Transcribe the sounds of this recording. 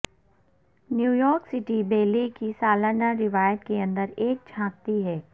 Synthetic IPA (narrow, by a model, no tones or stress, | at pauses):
njuːjɔːɾksɪʈibeːlekisaːlənaɾɪʋaːjət̪keɐ̃nd̪əɾeːk̚t͡ʃʰãːk̚t̪iɦɛː